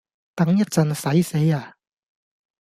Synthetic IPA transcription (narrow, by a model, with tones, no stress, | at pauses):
t̪ɐ˨˥ŋjɐ˥t̚t͡sɐ˨˧nsɐ˨˥jse˨˥jaː˨˩